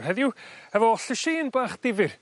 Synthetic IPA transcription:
rhɛðjʊɛvɔɔɬəʃeːnbaːχd̥ɪvɨr

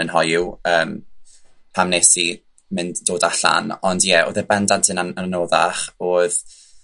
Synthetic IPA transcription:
ənɦɔjʊəːm | pʰamnesi | mɪndd̥oːdaɬa̰nɔndjɛʔo̰ːðɛbɛndantʰɨnaannoːðaχoːð

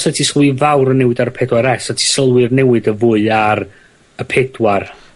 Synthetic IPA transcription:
sɛtʰisəlˠwivawɾənːɛwɨdaɾəpʰɛdwaɾɛsatʰi̥səlˠwɨrnɛwɨdəvʊːɨar | əpʰɛdwar

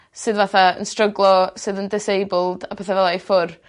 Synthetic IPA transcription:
sɨðvaθaə̰nstrəɡlˠɔsɨːðəndɪsejbʊlˠd̥apʰɛθavɛlˠaefʊr

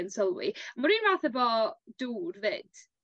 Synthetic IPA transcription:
nsɔlˠwḭmʊɾiːnvaːθəbɔd̥uːrvɨːd̥

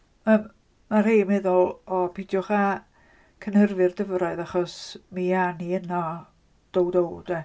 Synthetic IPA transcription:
əːmː | ar̥eːmɛðʊlˠɔpʰidjɔχa | kʰənhərvɨrdəvɾaɨðaχɔsmianiənɔ | d̥owdowd̥ɛ

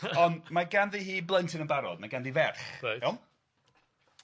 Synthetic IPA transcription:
ɔnmaɡanðihiːblˠəntʰɪnənbaɾɔ̰dmaɡanðivɛrθaɛm

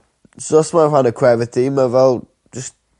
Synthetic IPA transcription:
sɔsmaranəkʰwɛvətʰiməvɛlˠ | d͡ʒəst

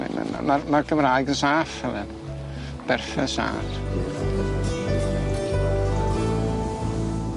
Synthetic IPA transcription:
m̰ma̰marmarɡəmraːɨɡənsaːfhɛlɨn | b̥ɛrfɛsa̰ːθ

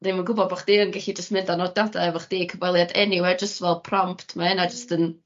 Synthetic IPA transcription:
nimənɡʊbɔd̚baχd̥iːənɡɛɬid͡ʒəstmɪndanɔdɔdavɔχd̥iːkʰəvɛlˠjadɛniwɛrd͡ʒəstvɛlˠpʰrɔmpʰtʰmaɪnad͡ʒəstən

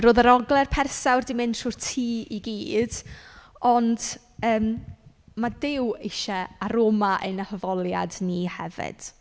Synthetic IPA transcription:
ɾoːðəɾɔɡlˠɛrpʰɛrsawrdɪmɪndruːrtʰiːiɡiːd̥ | ɔnd̥ | əːm | madɪwɪʃɛaɾoːmaʔənahəvɔlˠja̰dnihɛ̰vɪ̰d̥

